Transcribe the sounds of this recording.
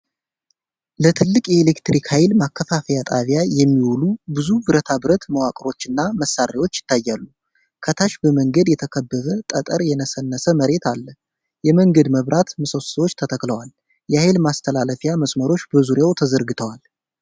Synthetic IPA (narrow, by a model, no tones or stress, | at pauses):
lət̪ʰɨlːɨkʼjɛelekt̪ɾikhajlmakːəfafəjat̪ʼaβjajɛmːiwulubɨzubɨɾət̪ʰabɨɾət̪məwakʼɾo̞t͡ʃːɨnːaməsːaɾewo̞t͡ʃːjɪ̥t̪ːajːalːu | kʰət̪ʰaʃbəməŋɡəd̪jɛt̪ʰəkʰəbːəβət̪ʼət̪ʼəɾjɛnəsənːəsəməɾe̞t̪ʰalːə | jɛməŋɡəd̪məβɾʔat̪mɨsəssəwot͡ʃːt̪ʰət̪ʰəkləwal | jɛhajɪlmast̪ʰəlaləfjaməsməɾo̞t͡ʃːbəzuɾjawt̪ʰəzəɾɡɨt̪ʰəwal